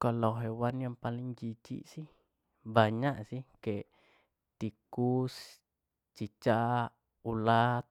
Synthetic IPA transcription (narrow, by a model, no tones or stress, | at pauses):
kalawɦewanjampaliŋd͡ʒit͡ʃḭʔsi | baɲaʔsike | t̪ikus | t͡ʃit͡ʃa | ulat̪̚